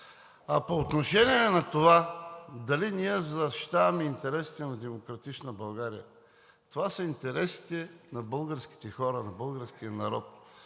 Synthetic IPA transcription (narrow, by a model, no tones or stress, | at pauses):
ɐpoːt̪noʃɛniɛnɐt̪ovad̪ɐliniɛzɐʃi̥t̪avɐmɛint̪ɛɾɛsi̥t̪ɛnɐd̪ɛmokɾɐt̪it͡ʃnəbɐlˠɡaɾḭjə | t̪ovasəint̪ɛɾɛsi̥t̪ɛnɐbɤlˠɡəɾsk̟i̥t̪ɛxɔɾɐnɐbɤlˠɡəɾsk̟ijənɐɾɔ̰t̪